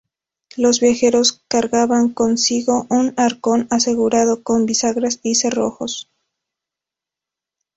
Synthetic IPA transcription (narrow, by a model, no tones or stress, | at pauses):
lo̞zβjaxe̞ɾo̞skaɾɣaβaŋko̞nsiɣo̞ʔunaɾko̞nase̞ɣuɾaðo̞ko̞mbisaɣɾasisero̞̰xo̞̰s